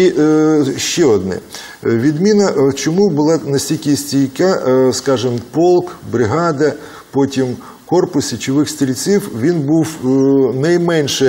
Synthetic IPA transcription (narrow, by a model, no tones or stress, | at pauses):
i | ʃt͡ʃɛɔd̪nɛ̰ | ʋʲid̪mʲinɐt͡ʃɔmubʊlˠɑnɐsʲtʲilʲkʲɪsʲtʲijkʲaskɑʒɪmpɔlˠkbɾɪɦɑd̪ɐ | pɔtʲim | kɔrpʊsʲit͡ʃɪʋɪxsʲt̪ɾʲilʲt͡sʲiwʋʲinbuwnɐjmɛnʃɛ